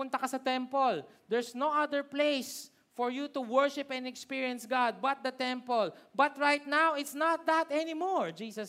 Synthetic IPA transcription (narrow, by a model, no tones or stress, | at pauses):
ʊnt̪ɐkɐsɐt̪ɛmpold̪ɛɹsnowʔɐd̪əɹplejs | fɔɹjut̪ʊwɛɹʃɪpɛ̃nd̪ɛkspiɹiɐ̃nsɡad̪̚bɐt̪̚d̪ɐt̪ɛ̃mpɔlbɐt̪̚ɹajt̪̚nawɪt̪snat̪̚d̪ɐt̪ɛnɪmɔɹd͡ʒiːsɐs